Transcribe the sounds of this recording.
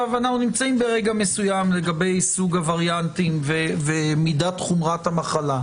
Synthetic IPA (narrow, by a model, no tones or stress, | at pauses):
avanaχunimt͡saimbeʁe̞ɡamesujamle̞ɡabe̞jsuɡavaʁjant̪imvevemidat̪χumʁathamaχala